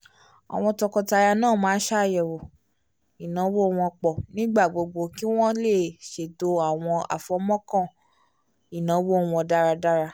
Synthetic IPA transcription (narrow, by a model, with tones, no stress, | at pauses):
a̰˨w̃ɔ̃˧tɔ˧kɔ˧ta˧ja˧nãː˦˨mãː˨˦ʃa˦˨jɛ˨wo˨ | i˨nã˨˦wo˦˨w̃ɔ̃˧k͡pɔ˨nĩ˦ɡ͡ba˦˨ɡ͡bo˧ɡ͡bo˧ki˦w̃ɔ̃˦le˦˨ʃe˨to˧˦a˦˨w̃ɔ̃˧a̰˨fɔ˨˦mɔ̃˦kɔ̃˦˨ | i˨nã˨˦wo˦˨w̃ɔ̃˧da˦ɾa˧da˦ɾa˧